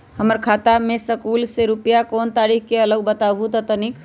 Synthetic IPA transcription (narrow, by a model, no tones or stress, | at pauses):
həməɾkʰat̪amesəkulseɾupəjakont̪aɾikkeələɡbət̪abʱut̪ət̪ənik